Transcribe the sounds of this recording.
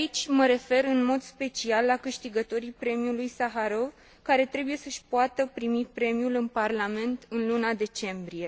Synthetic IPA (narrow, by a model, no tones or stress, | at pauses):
it͡ʃʲməɾe̞fe̞ɾɨnmo̞d̪spe̞t͡ʃialːakɨʃt̪iɡət̪o̞ɾipɾe̞mijulujsaɦaɾo̞v | kaɾe̞t̪ɾe̞buje̞səʃʲpuat̪əpɾimipɾe̞mjulɨnparlame̞nt̪ɨnlunad̪e̞t͡ʃe̞mbɾije̞